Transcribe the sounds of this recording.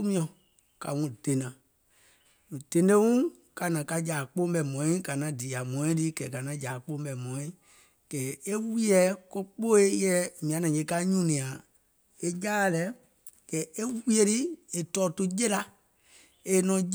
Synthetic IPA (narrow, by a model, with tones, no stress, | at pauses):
mĩ˧˦ɔ̃˨ | ka̰˨ŋũ˧d̥e˨˦nã˨ | d̥e˨˦ndẽ˦ŋũ˦ | ka˧nã˨ka˧d͡ʒaː˨k͡poː˦ɓɛ˧˨mɔ̃˨ĩ˦ka˨nã˨˦diː˨a˨mɔ̃˨ĩ˦ti˦kɛː˨ka˨nã˨˧˦d͡ʒaː˨k͡po˦ɓɛ˨mɔ̃˨ĩ˦ | kɛː˨e˦wi˦ɛ˨˦ko˦k͡po˦e˦jɛ˦mĩ˨ã˨nã˨je˨˧˦ka˦ɲũ˦nĩ˨ã˨ | e˦jaː˦˨lɛ˨˦ | kɛː˨e˦wi˦e˧ɾi˦e˨tɔː˦tu˦je˦la˧ | e˧nɔ̃˨˧˦